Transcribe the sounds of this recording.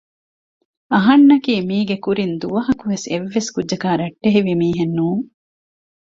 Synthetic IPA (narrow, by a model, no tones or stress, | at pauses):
ɐɦɐnːɐkiːmiːɡekuɾind̪uʋɐɦɐkuʋeseʋːeskudʒɐkaːɾɐʈːeɦiʋimiːɦenːuːŋ